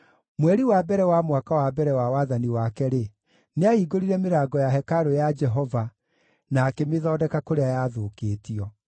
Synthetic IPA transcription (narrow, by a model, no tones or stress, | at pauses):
mwɛɾiwabɛɾɛwamwakawabɛɾɛwawaðaniwakɛɾe | neaiɡoɾiɾɛmeɾaːɡɔjaɦɛkaɾojad͡ʒɛɦɔva | naːkemeðɔːdɛkakoɾeajaːðoːkeːtiɔ